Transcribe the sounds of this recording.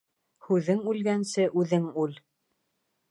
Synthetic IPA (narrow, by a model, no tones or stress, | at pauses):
hʉðɘŋʉlɡænsɘʔʉðɘŋʉl